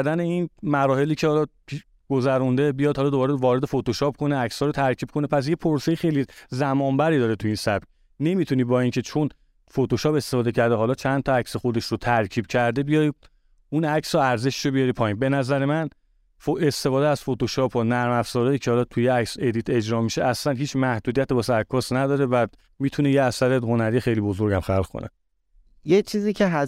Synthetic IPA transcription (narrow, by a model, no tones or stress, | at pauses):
d̪æne̞inmæɾɒːhe̞liːcʰehɒlɒi | ɡ̥ozæɾund̪e̞bijɒːd̪hɒlɒːd̪obɒːɾevɒːɾe̞d̪e̞fot̪oʃɒːp̚kʰo̞neæcshɒːɾot̪ʰæɾcʰiːb̥̚kʰo̞nepʰæs̬jepʰoɾse̞jexe̞jlizæmɒːmbæɾiːd̪ɒːɾet̪ʰuiːnsæb̚c | ne̞mit̪ʰuniːbɒːiŋcʰe̞t͡ʃʰo̞n | fot̪oʃɒːpe̞st̪e̞fɒːd̪ecʰæɾd̪eɦɒːlɒːt͡ʃʰænt̪ʰɒæcsexo̞d̪e̞ʃɾot̪ʰæɾcʰiːb̥̚cʰæɾd̪e̞bijɒj | unæcʰsɒæɾze̞ʃʃobijɒɾiːpʰɒːinbe̞næzæɾe̞mæn | foe̞st̪e̞fɒːd̪eæz̥fo̞t̪o̞ʃɒːpʰɒnæɾmæfz̥ɒːɾɒjiːcʰehɒːlɒt̪ʰujeæcse̞d̪iːt̪ʰe̞d͡ʒɾɒːmiʃeʔæslænɦiːt͡ʃʰmæhd̪ud̪ijæt̪ebɒsækʰːɒːsnæd̪ɒːɾe̞væ | mit̪ʰunejeæsæɾeɦo̞næɾijxe̞jliːbo̞zo̞ɾɟæmxælɣkʰo̰nḛ | jet͡ʃʰiːziːcʰeɦ